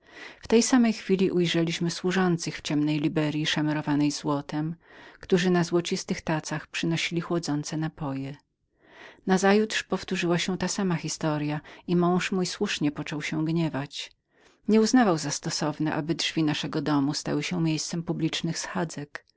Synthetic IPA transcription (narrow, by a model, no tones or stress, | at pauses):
ft̪ɛjsamɛjxfʲilʲiʔujʐɛlʲiɕmɘswuʐɔnt̪sɘxft͡ɕɛmnɛjlʲibɛɾʲjiʂamɛɾɔvanɛjzwɔt̪ɛmkt̪uʐɘnazwɔt͡ɕist̪ɘxt̪at̪saxpʂɘnɔɕilʲixwɔd̪zɔnt̪sɛnapɔjɛ | nazajut̪ʂpɔft̪uʐɘwaɕɛt̪asamaxʲist̪ɔɾjaimɔ̃w̃ʂmujswuʂɲɛpɔt͡ʂɔwɕɛ̃ɡɲɛvat͡ɕ | ɲɛuznavawzast̪ɔsɔvnɛʔa̰bɘdʐvʲinaʂɛɡɔd̪ɔmust̪a̰wɘɕɛmʲjejst̪sɛmpublʲit͡ʂnɘxsxad̪zɛk